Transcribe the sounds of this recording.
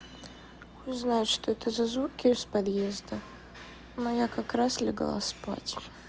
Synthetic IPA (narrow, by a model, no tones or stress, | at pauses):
ʊznajʊt̪ʂt̪oɛt̪əzɐzvukʲːɪʊspɐd̪jezd̪ə | mɐjakakɾaslʲɪɡ̰lˠa̰spa̰tʲ